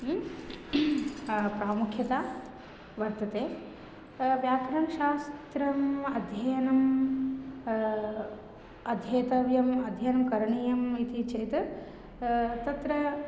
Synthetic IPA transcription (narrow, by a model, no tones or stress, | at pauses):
pɾaːmukʰjɐt̪aː | ʋɐɾt̪ɐt̪eː | ʋjaːkɐɾɐmʃaːst̪ɾɐmɐd̪ʱjɐjɐnɐm | ɐd̪ʱjɐːt̪ɐʋjɐmɐd̪ʱjɐjɐnɐmkɐɾɐɳijɐmit̪it͡ʃeːt̪ | t̪ɐt̪ɾɐ